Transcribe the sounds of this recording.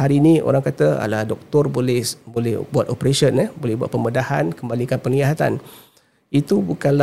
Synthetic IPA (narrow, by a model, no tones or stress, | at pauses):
haɾiːnio̰ɾaŋkat̪əa̰lahdɔk̚t̪ɔrbolɛhbolɛhbuat̪opɾeʃənəhbolɛhbua̰t̪̚pəmədahankəmbalikanpəniaɦat̪a̰n | it̪ubukanla